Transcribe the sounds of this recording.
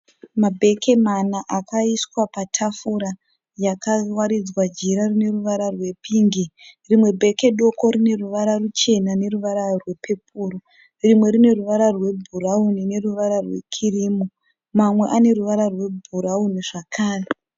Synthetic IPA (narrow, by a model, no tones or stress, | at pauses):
mabʱe̞ke̞manaʔakaiswapatʰafuɾa | jakawaɾid͡zwad͡ʒiɾarine̞ruʋaɾarwe̞pʰiːŋɡirimwe̞bʱe̞ke̞ɗo̞ko̞ɾine̞ruʋaɾarut͡ʃe̞nane̞ruʋaɾarwe̞pʰe̞p̚ʰuːɾo | rimwe̞ɾine̞ruʋaɾarwe̞bʱuraunine̞ruʋaɾarwe̞̰kʰiriːmo | mamwe̞ʔane̞ɾuʋaɾarwe̞bʱuɾauniʐakʰaːre